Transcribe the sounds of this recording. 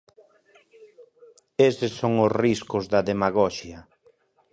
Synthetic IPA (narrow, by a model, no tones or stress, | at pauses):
esɪsːoŋosriskʊzðɐðemaɣɔʃjɐ